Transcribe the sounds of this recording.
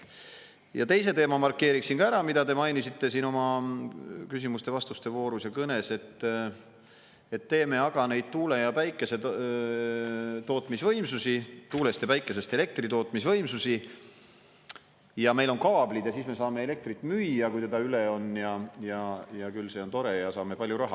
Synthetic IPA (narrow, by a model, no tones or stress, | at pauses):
jɑ̰t̪e̞js̬e̞t̪e̞ːmɑmɑrkːˑe̞ːɾiksinkɑæɾɑmid̪ɑd̪e̞mɑjnisit̪ːe̞siːno̞mɑ | kys̬imust̪e̞vɑst̪ust̪e̞vo̞ːɾusjɑkɤne̞se̞t̪ː | e̞t̪ːe̞ːme̞ɑɡ̥ɑne̞jd̪̥̚t̪uːle̞jɑpæjkːˑe̞se̞ | t̪o̞ːt̪ˑmisvɤjmsusit̪uːle̞st̪jɑpæjkːˑese̞st̪e̞le̞k̚t̪rit̪o̞ːt̪misvɤjmsusi | jɑme̞jlo̞nkɑːb̥lid̪̥jɑsiːsme̞sɑːme̞ele̞k̚t̪rit̪ːˑmyjːɑkujt̪e̞d̪̥ɑyleo̞njɑjɑjɑkylse̞o̞nt̪o̞ɾejɑsɑːme̞pɑlʲjuɾɑɦɑ̰